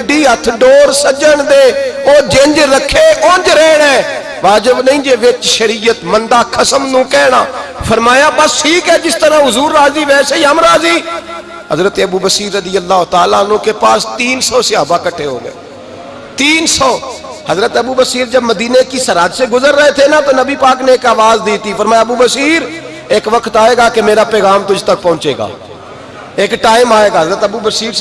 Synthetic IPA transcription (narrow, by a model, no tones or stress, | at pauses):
ɖiːɦət̪ʰɖoːɾsəd͡ʒəɳd̪eːoːd͡ʒeɲd͡ʒɾəkʰːeːʔond͡ʒɾɛːɽɛː | ʋaːd͡ʒəbnəĩːd͡ʒeːʋɪt͡ʃʃəɾiːjət̪mənd̪aːkʰəsəmnũːkɛːɽaːpʰəɾmaːjaːpəsʰiːkɛːd͡ʒɪst̪əɾãːɦʊzuːɾːaːziːʋɛːseːəmɾaːziː | həzɾət̪eːəbuːbəsiːɾəd̪ɪjəlːaːɦʊt̪aːlaːnũːkeːpaːst̪iːnsɔːsɪaːbakəʈʰeɦo̰ːɡəeː | t̪iːnsɔː | hɐzɾət̪ɐbuːbəsiːɾd͡ʒɐbməd̪iːnekisɐɾaːd͡ʒseɡʊzəɾːəɦet̪ʰenat̪onɐbipaːkneeːkaːʋaːzd̪iːt̪ifəɾmaːjaɐbubəsiːɾ | eːkʋəkt̪aːeːɡaːkemeːɾapɛːɣaːmt̪ʊd͡ʒt̪ək̚pɔ̃ɦʊ̃ːt͡ʃeːɡa̰ː | eːkʈaːɪmaːeːɡaːɦɐzɾət̪ɐbuːbəsiːɾ